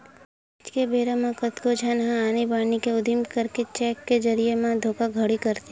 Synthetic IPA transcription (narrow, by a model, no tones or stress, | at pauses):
t͡ʃkebeːɾamãkət̪kod͡ʒʱanɦãaːnibaːnikeʊd̪ʱimkəɾket͡ʃɛːkːed͡ʒəɾijemãd̪ʱoːkaɡʱəɽikəɾt̪i